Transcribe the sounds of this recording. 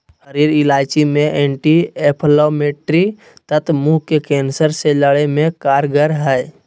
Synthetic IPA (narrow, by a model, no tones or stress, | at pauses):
həɾiːɾɪlaːt͡ʃimẽʔeːɳʈieːpʰloːmeːʈɾi | t̪ət̪ʰmuɦkekẽːnsəɾseləɽemẽkaːɾɡəɾɦɛ